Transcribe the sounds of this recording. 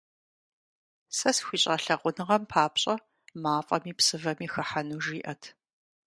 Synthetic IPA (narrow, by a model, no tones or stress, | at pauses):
sɐsxʷiːɕʼɐɬɐʁʷʊnɨʁɐmpʰaːpɕʼɐ | maːfʼɐmiːpsɨvɐmiːxɐħanuːʒiːʔɐtʰ